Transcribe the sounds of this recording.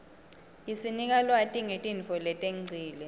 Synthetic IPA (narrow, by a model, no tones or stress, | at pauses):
isinik̬alwatʼiŋetʼinfɔlɛtʼeŋŋ͡ǀʱiːlɛ